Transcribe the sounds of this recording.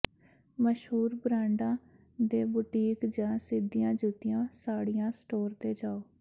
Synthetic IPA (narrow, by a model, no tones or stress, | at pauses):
məʃɦuːɾbɾãːɳɖãː | d̪eːbuːʈiːkd͡ʒãːsɪd̪ijãːd͡ʒuːt̪ɪjãːsaːɽijãːsʈoːɾt̪eːd͡ʒaːoː